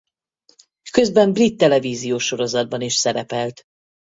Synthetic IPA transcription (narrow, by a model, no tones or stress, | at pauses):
kø̞zbɛmbrit̪ːɛlɛviːzijoːʃo̞ɾo̞zɒd̪̚bɒniʃsɛɾɛpɛlt̪